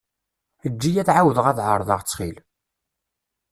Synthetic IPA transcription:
əd͡ʒːijæθʕawðəʁæθʕəɾˤðˤə̰ʁt͡sːχil

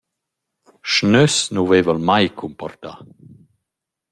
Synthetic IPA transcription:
ʃnøsnuvevəlmajkʰumpɔ̰rt̪a̰

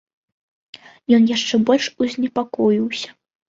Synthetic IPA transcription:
jɔnjaʂt͡ʂɛbɔlʲʂuzʲnʲɛpakɔjiwsʲɐ̥

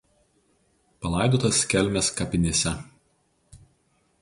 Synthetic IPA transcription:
pɐlˠɑˑɪd̪oːt̪ɐskʲɛlʲmʲɛskɐpʲɪnʲeːsʲɛ

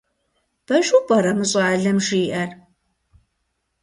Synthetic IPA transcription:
b̥ɐʒubɐɾɐmɨɕʼɐʕaɮɐmʂiːʔɐr

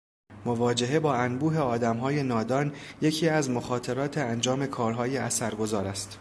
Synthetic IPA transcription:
mo̞vɒːd͡ʒe̞ɦe̞bɒːænbuːɦe̞ɒːd̪æmɦɒːje̞nɒːd̪ɒːnje̞cʰiːæzmo̞xɒːt̪ʰe̞ɾɒːt̪ʰeænd͡ʒɒːme̞kʰɒːɾɦɒːjeæsæɾɡo̞zɒːɾæst̪

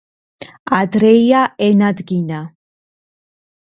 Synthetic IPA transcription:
ad̪ɾɛjjaʔɛnad̪ɡina

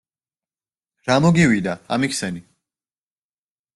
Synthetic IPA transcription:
ɾamɔɡiwid̪aa̰mikʰsɛni

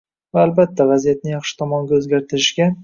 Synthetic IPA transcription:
vaːlbat̪ʰːavazijat̪̚nɪjɑχʃɪ̥t̪ʰɒmɒŋɡʲaɵzɡʲaɾt̪ʰɪɾɪʃɡʲa

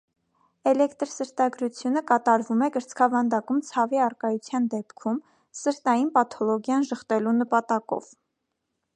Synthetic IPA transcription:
ɛlɛkt̪ɾsəɾt̪ɑɡɾut͡sʰjunəkɑt̪ɑɾvumɛkəɾt͡skʰɑvɑnd̪ɑkumt͡sʰɑviɑrkɑjut͡sʰjɑnd̪ɛpkʰum | səɾt̪ɑjinpɑt̪ʰɔlɔɡjɑnʒəχt̪ɛlunəpɑt̪ɑkɔ̰v̥

